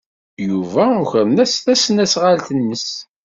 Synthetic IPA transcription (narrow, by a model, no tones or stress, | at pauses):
juvæʊçəɾənæsθæsənæsʁalt̪ənːəs